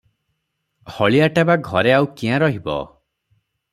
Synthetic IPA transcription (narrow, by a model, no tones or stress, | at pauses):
hɔɭiaʈabaɡʱɔɾeawkiãɾɔɦibɔ̰